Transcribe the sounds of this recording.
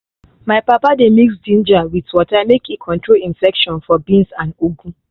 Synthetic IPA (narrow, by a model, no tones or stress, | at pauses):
maɪpapademiksdĩnd͡ʒawitwɔtaɪmekekʰɔ̃ntɹolĩnfɛkʃɔ̃nfɔbĩnsãnuɡũ